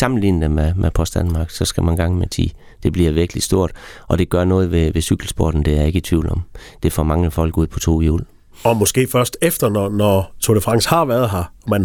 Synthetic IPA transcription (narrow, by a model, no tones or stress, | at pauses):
sɑ̈mn̩lḭːnnəmemʔepʰɒ̽sd̥ænmɑ̈ːɡ̥sɒ̽sɡ̥æmænɡ̥ɑ̈ŋ̰mesʰḭː | d̥e̝b̥liɐʋiɐɡ̥əlisd̥o̝ɐ̰d̥ʔɒ̽d̥e̝ɡ̥ɶɐnɔ̽ːð̞̩ˠʋe̝ʋe̝syɡ̥l̩sb̥o̝ɐd̥n̩d̥e̝æɐe̝ɡ̥ət͡sʰʋiːʊlɒ̽md̥e̝fɒ̰ːmɑ̈ŋəfɒ̽l̰ɡ̥uð̰ˠpʰɒ̽t͡sʰo̝̰ːjṵːl | ɒmɔsɡ̥e̝̰ːfɶɐsd̥efd̥ɐnɒnɒt͡sʰoləfʁɑ̈ŋ̰shɑ̈ʋæɐð̩ˠɦɑ̈mæn